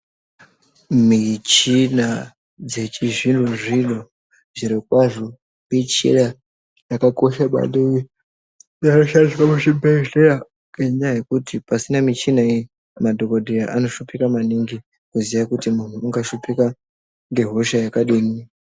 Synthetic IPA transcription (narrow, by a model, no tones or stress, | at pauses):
mit͡ʃina | d͡ze̞t͡ʃiʐindʱuʐiɗo | ʐiɾekwaʐo | it͡ʃḛɗa | jakako̞ʃaɓa̰ɗei | janoʃandiswamuʃibʱeea | keɲajekutʰipasinamit͡ʃinai | madʱokodʱijaʔano̞ʃupikamaniŋɡi | kuzijakutimun̤uːŋɡaʃupika | ŋɡe̞ɦoʃajakaɗiːni